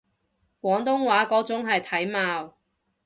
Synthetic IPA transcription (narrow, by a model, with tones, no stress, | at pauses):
kʷwɔː˨˥ŋt̪ʊ˥ŋwaː˨˥kɔː˨˥t͡sʊ˨˥ŋɦɐ˨jt̪ʰɐ˨˥jmaː˧w